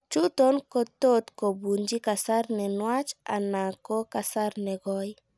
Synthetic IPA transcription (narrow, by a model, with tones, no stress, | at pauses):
t͡ʃu˦to˦nko˨to˦t̪ko˨bu˨ɲd͡ʒi˦ka˨sa˦ɾnɛ˨nwa˦t͡ʃa̰˨na˨ko˦ka˨sa˦ɾnɛ˨ɡɔ˦j